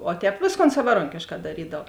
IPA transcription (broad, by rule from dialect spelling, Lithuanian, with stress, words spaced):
oː ˈtʲɛːp ˈʋʲeːsˌkoːn sɐʋɐˈroːŋʲkʲeːʃkɑː dɐˈrʲiːdɐw